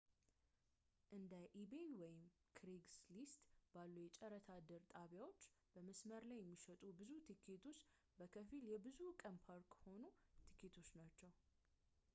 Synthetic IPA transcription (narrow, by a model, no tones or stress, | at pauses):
ʔɨnd̪əʔibenwɔjɪm | kʰɾiɡslist̪b̥alːujɛt͡ʃʼɛɾət̪ʰad̪əɾt̪ʼaβjawo̞t͡ʃːb̥əməsməɾlajːɛmːiʃət̪ʼubɨzut̪ʰikʰet̪ʰo̞t͡ʃː | bəkʰəfiljɛbɨzukʼəmpʰaɾkho̞nut̪ʰi̥kʰet̪ʰo̞t͡ʃːnat͡ʃːɛw